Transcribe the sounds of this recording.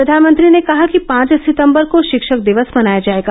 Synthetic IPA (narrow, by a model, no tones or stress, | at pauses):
ɾɐd̪ʱaːnmə̃nt̪ɾinekɐɦakipãːt͡ʃsɪt̪ə̃mbəɾkoʃɪkʃək̚d̪ɪʋəsmɐnaːjad͡ʒaːeːɡa